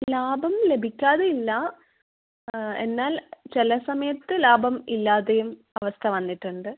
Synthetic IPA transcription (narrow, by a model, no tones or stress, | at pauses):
laːbʱɐmle̞bʱikʲːaːðeilːɐ | e̞nːaːlt͡ɕelɐsɐmɐjɐt̪ːɨlaːbʱɐmilːaːðejum | ɐʋɐst̪ʰɐʋɐnːiʈːuɳɖɨ